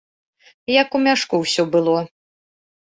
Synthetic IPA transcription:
jɐkumʲaʂkuwsʲɔbɨlˠɔ

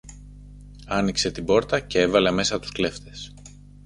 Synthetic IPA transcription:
ɐnikse̞t̪ibo̞ɾt̪ɐce̞evɐleɐme̞sɐt̪u̥skle̞ft̪e̞s

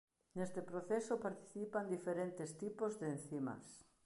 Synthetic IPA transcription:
nest̪epɾoθesopaɾt̪i̥θipand̪ifeɾent̪ɪst̪ipozðen̟θimɐ̰s

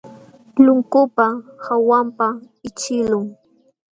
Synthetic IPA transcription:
lʊŋkʊpahawampa | ɪt͡ʃɪlʊŋ

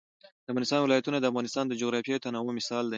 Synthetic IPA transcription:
d̪̥əafɣɑnɪst̪ɑnwɪlɑjat̪unad̪əafɣɑnɪst̪ɑnd̪əd͡ʒoɣɾɑfjejot̪anɑwomɪsɑld̪a

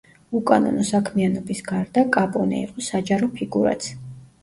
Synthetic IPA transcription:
ukʼanɔ̰nɔsakʰmianɔbisɡaɾd̪akʼapʼɔnɛ̰ḭqʼɔsad͡ʒaɾɔpʰiɡuɾa̰t̪sʰ

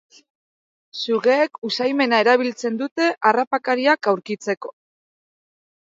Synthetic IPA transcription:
suɣe̞ːkusajme̞nae̞ɾaβ̞ilt͡se̞nd̪ut̪e̞ʔarapakaɾiakawɾkit͡se̞ko̞̥

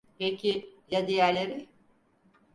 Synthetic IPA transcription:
hecʰɪlʲad̪ejæɾlʲeɾɪ

